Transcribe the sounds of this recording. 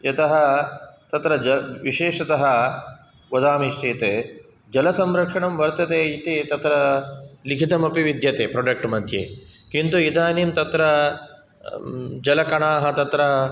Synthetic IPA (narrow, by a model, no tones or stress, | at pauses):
ɐt̪ɐɦɐt̪ɐt̪ɾɐd͡ʒɐʋiʃeːʂɐt̪ɐɦɐ | ʋɐd̪aːmiʃʈeːt̪eː | d͡ʒɐlɐsɐmɾɐkʂɐɳɐmʋɐɾt̪ɐt̪eːit̪it̪ɐt̪ɾɐlikʰit̪ɐmɐpiʋid̪jɐt̪eːpɾoːɖɐk̚ʈmɐd̪ʱjḛːkint̪uid̪aːnimt̪ɐt̪ɾɐ | d͡ʒɐlɐkɐɳaːɦɐt̪ɐt̪ɾɐ